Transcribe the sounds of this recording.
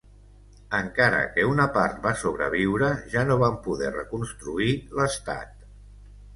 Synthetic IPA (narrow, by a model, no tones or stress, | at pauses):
əŋkaɾə̰kəunəpaɾt̪̚basoβ̞ɾə̰βiwɾəʒanoβampuðɛrəkunst̪ɾuiləst̪a̰t̪̚